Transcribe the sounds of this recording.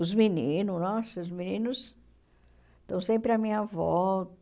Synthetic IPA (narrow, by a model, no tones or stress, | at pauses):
ʊzminĩnʊnɔsɐʊzminĩnʊs | t̪ɐ̃w̃sẽmpɾɪɐmĩɲɐvɔ